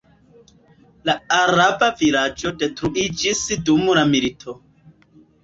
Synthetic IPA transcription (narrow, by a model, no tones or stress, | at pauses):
laaɾabavilad͡ʒodetɾuʔid͡ʒisdumulamilitʰo